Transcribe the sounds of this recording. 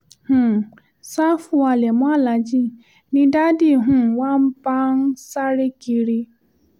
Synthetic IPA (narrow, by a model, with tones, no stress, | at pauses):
hũ˦˨ | sa˦fu˦a˨lɛ˨mɔ̃˦a˦˨la˨˦d͡ʒi˦ | nĩ˦da˦di˦˨ɦũ˦˨wã˦m̩˦pa˦n̩˦sa˦ɾe˦ki˧ɾi˧